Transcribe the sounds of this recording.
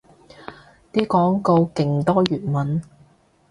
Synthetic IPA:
t̪iː˥kɔː˨˥ŋko˧wkɪ˨˩ŋt̪ɔː˥jyː˨˩t̚mɐ˨n

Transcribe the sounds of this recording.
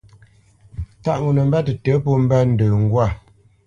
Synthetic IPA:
ta˦˨ʔŋu˨nə˨m̩˦bɛ˦tə˨tə˨˦po˦m̩˦bɛ˦n̩˨də˨ŋ̩˦ɡwa˦˨

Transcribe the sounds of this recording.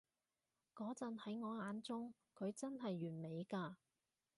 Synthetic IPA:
kɔː˨˥t͡sɐ˨nhɐ˨˥jŋɔː˨˧aː˨˥nt͡sʊ˥ŋ | kʰɵ˨˧ɥt͡sɐ˥nɦɐ˨jːyː˨˩nme˨˧jkaː˧

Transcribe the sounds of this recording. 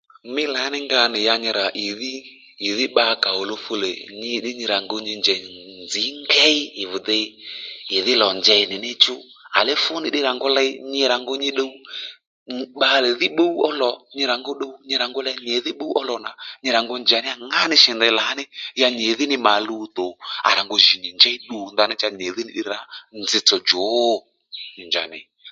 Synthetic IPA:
mɪ˦la˨˦nɪ˦ŋɡa˧nɪ˨ja˧ɲɪ˧ɾa˨ʔɪ˨ðɪː˦˨ | ðɪ˦ɓa˧ka˨o˨lo˧fo˧lɛ˨ɲɪ˧ɗɪ˦ɲɪ˧ɾa˨ŋɡo˧ɲɪ˧nd͡ʒɛ˨nd͡zi˨˦ŋɡɛ˦i˦ɪ˨vʊ˨dɛ˧˦ɪ˨ðɪ˦lɔ˨nd͡ʒɛ˧˨nɪ˨nɪ˦t͡ʃʊ˦ | a̰˨lɛ˦fʊ˦nɪ˨ɗɪ˦ɾa˨ŋɡo˦lɛ˧˦ɲɪ˧ɾa˨ŋɡo˦˧ɲɪ˦ɗo˦u˦ | ɓa˦˨lɛ˨ðɪ˦ɓo˦u˦ɔ˦lɔ˨ɲi˧ɾa˨ŋɡo˦ɗo˦u˦ɲi˦˧ɾa˨ŋɡɔ˦lɛ˦ɲe˨˦ði˦ɓo˦u˦ʔɔ˦lɔ˨na˨ɲi˧ɾa˨ŋɡɔ˦nd͡ʒa˨nɪ˦a˦ŋa˦nɪ˦ʃɛ˨ndɛ˨˧˨la˨˦nɪ˦ja˦˧ɲe˨˦ðɪ˦nɪ˧ma˨lu˦t̪o˨a̰˨ɾa˨ŋɡo˧˨ʒi˨ɲi˨nd͡ʒɛ˦i˦ɗu˨˦nda˨˦nɛ˦t͡ʃa˧ɲe˨˦ði˦nɪ˦ɗi˦ɾɾa˦nd͡zɪ˧˨t͡sɔ˨d͡ʒo˨˦˨ | ɲi˨nd͡ʒa̰˨nɪ̰˨

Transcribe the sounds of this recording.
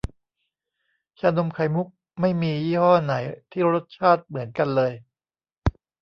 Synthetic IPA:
t͡ɕʰaː˧no˧mkʰa˨˩˦jmu˦˥k̚ | ma˥˩jmiː˧jiː˥˩hɔː˥˩na˩˦jt̪ʰiː˥˩ɾo˦˥t̪̚t͡ɕʰaː˥˩t̪̚mɯ˩˦ənka˧nlɤː˧j

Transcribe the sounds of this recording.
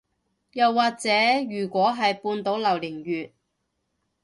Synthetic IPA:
jɐ˨wːaː˨k̚t͡sɛː˨˥jyː˨˩kʷɔː˨˥ɦɐ˨jpuː˧nt̪o˨˥wlɐ˨˩wlɪ˨˩ŋjyː˨t̚

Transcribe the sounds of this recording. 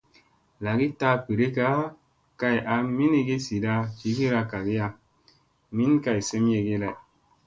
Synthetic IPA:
la˨ɡi˦ta˦pe˨ɾe˦ka˦ | ka˧ja˨mi˦ni˧ɡi˦si˨da˧t͡ʃi˨˦ɡi˦ɾa˧ka˨ɡi˦a˧ | mi˦nka˧˨jse˦m˦je˧ɡe˦la˨j

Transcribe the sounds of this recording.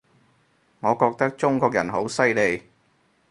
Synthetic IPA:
ŋɔː˨˧kɔː˧k̚t̪ɐ˥k̚t͡ʃʊ˥ŋkɔː˧k̚jɐ˨˩nɦo˨˥wsɐ˥jle˨˧j

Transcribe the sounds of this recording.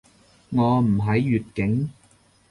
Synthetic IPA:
ŋɔː˨˧m̩˨˩ɦɐ˨˥jːyː˨t̚kɪ˨˥ŋ

